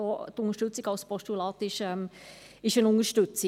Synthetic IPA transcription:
ɔtʊnəɾʃtʉt͡siɡɑʊspɔstulɑːtɪʃɛm | ɪʃənʊnəʃtʏt͡si

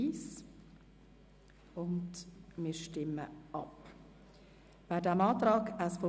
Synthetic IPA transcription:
iːs | ʊndmiːɾʃtɪmə̰ʔɑp | b̥ædɛmɑːt̪ɾɑːkəsfɔ

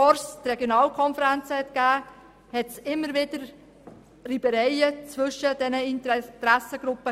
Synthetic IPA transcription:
ɔɾst̪rɛɡjonɑːlkʰɔnfəɾænt͡səhɛt̪kæː | hɛtsɪmːəɾvɪd̥əɾ | ribəɾɛɪət͡svʏʃːəd̥ɛnəɪntt̪ɾæsəɡ̥ɾʊpːə

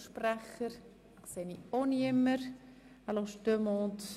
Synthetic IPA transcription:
ʃpræχəɾ | kseːnioniɪmːəɾ | aloʃtømɔːnt

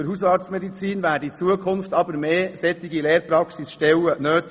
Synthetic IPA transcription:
əɾɦusɑltsmɛd̪it͡siːnvæːdiit͡suəkʰʊnft̪ɑbəɾmeːsɛt̪ːiɡileːɾpɾɑksisʃtɛwənøːt̪

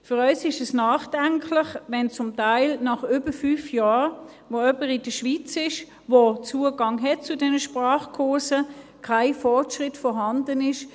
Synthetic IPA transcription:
fʏʁœʏsɪʃɛsnɑːχd̥aŋkʰlɪχvɛnt͡sʊmtaɪlnɑχʏbəfyːfjaːʁ | voœpəʁɪd̥əʃʋit͡sɪʃ | vot͡suəɡɑŋɦɛt̚t͡sʊdɛnəʃpʁaːχkʰʊɐsəkʰaɪfɔʁtʃʁɪtfɔɦɑndənɪʃ

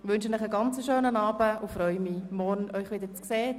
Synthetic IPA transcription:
ʋʏnʃənɪχəɡɑnt͡səʃøːnənɑːbəʊfɾœʏmimɔɾnœʏχʋɪdəɾt͡skseː

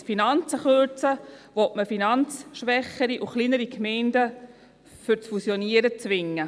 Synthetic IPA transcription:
finɑnt͡səχøt͡səʋɔtməfinɑnt͡sʃʋɛχːəɾiʔuχliːnəɾikʰmɛɪndə | fʏɾt͡sfusjɔniəɾət͡sʋɪŋːə

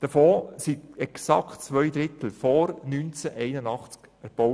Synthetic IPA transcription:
d̪̥əfɔːsiɛksɑ̰ktt͡sʋœjd̪ɾɪt̪l̩fɔɾnynt͡sæʔɛɪnənɑχt͡skæɾb̥ɔw

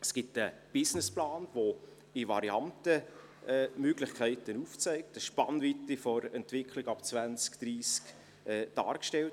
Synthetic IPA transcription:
sɡ̥itəb̥ɪsnɪsplaːnvo | iʋɑɾiɑntə | ɛːmøɡ̥lɪχkʰæɪtənuft͡sɛɪk̚təʃpɑnvitifɔɾɛntʋɪkʰlɪɡɑpt͡svænt͡skd̥ɾiːsk | ɛːd̥ɑ̰ːɾkʃtɛlt

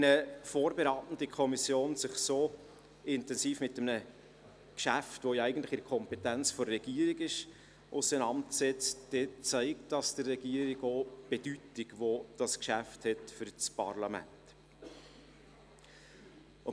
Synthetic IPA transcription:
nəfoːɾbeɾɑːtn̩dəkʰɔmisjoːnsɪχsoː | ɪntɛnziːfmɪtːəmnə | kʃæftʋojɑæɪɡən̩tlɪ̥χɪɾkʰɔmpɛtænt͡sfɔːɛɡ̥iːəɾiɡɪʃ | ʔʊsənɑntsɛt͡sd̥ɛːt͡sæɪk̚td̥ɑsd̥ərːɛɡ̥iːɾiɡoːb̥ed̥ytɪɡʋod̥ɑskʃæfthɛtfʏɾt͡spɑ̰ɾlɑmæ̰nt

